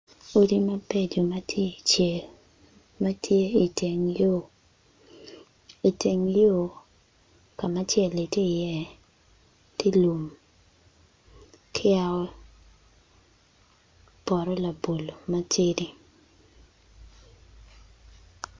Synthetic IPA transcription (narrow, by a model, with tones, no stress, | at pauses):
o˦di˦ma˦be˦d͡ʒo˨ma˦tʰje˦i˨t͡ʃɛ˨l | ma˦tʰje˦i˨te˨ŋjo | i˨te˨ŋjo˦ | ka˨ma˦t͡ʃjɛ˨li˨te˦˨jɛ˦ | te˦lu˨m | kʰɪ˦a˦ɔ˦ | b̥ɔ˨ɾɔ˦la˨bo˨lo˨ma˦t͡ʃe˦di˦